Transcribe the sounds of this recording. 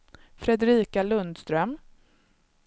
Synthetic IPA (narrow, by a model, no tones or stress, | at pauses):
fɾɛd̪ɾiːkalɵnd̪st̪ɾœm